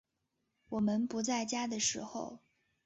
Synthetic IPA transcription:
wɔ˨˩mə˧npu˧˥t͡sa˥˩ɪt͡ɕja˥d̪ə˨ʂɻ̩˧˥xo˥˧ʊ

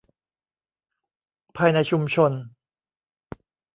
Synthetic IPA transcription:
pʰaː˧jna˧jt͡ɕʰu˧mt͡ɕʰo˧n

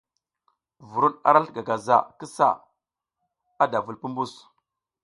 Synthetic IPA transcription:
vu˨ɾu˦na̰˨ɾa˦ɬɡa˨ɡa˨za̰˦˨kə˦sa̰˦˨ | a˦da˨vu˨lpu˦mbu˦s

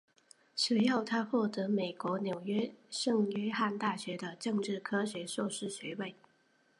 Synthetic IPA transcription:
ʂ̩˧˥jɑ˥˧ʊt̪ʰa˥xwɔ˥˩t̪ɤ˧˥me˨˩ɪkwɔ˧˥njo˨˩ʊɥɛ˥ʂɤ˥˧ŋɥɛ˥xa˥˧nt̪a˥˩ɕɥɛ˧˥d̪ə˧ʈ͡ʂɤ˥˧ŋʈ͡ʂɻ̩˥˩kʰɤ˥ɕɥɛ˧˥swɔ˥˧ʂɻ̩˥˩ɕɥɛ˧˥we˥˩ɪ

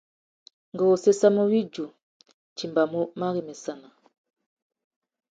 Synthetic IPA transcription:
ŋɡɔ˨o˨se˦sa˦mo˦wi˦d͡ʒu˨ | t͡ʃi˨mba˨mo˦ma˦ɣi˨mɛ˨sa˦˨na˨

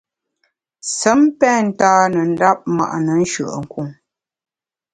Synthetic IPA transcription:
sə˨˦mpɛ˦˨n̩˨˦taː˦nə˨n̩˦da˦p̚ma̰˨ʔnə˨˦n˦ʃə̰˨ʔə̰˨ŋ̩˨ku˨ŋ

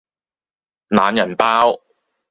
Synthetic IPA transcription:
naː˨˧˥njɐ˨˩npaː˥w

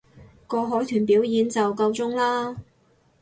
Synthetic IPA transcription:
kɔː˧ɦɔː˨˥jt̪ʰyː˨˩npiː˨˥wjiː˨˧nt͡sɐ˨wkɐ˧wt͡sʊ˥ŋlaː˥

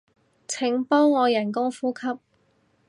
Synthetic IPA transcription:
t͡sʰɪ˨˩ŋpɔː˥ŋːɔː˨˧jɐ˨˩nk̬ʊ˥ŋfuː˥kʰɐ˥p̚

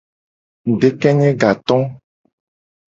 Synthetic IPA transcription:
ɖe˦kɛ˦ɲɛ̃˦ɡa˨t̪ɔ̃˦

